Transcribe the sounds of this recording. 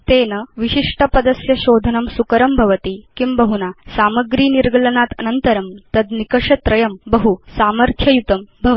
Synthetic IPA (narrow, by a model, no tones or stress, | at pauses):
t̪eːnɐʋiɕiʂʈɐpɐd̪ɐsjɐɕoːd̪ʱɐnɐmsukɐɾɐmbʱɐʋɐt̪ikimbɐɦunasaːmɐɡɾiːniɾɡɐlɐnat̪ɐnɐnt̪ɐɾɐmt̪ɐd̪nikɐʂɐt̪ɾɐjɐmbɐɦusaːmɐɾt̪ʰjɐjut̪ɐmbʱɐʋ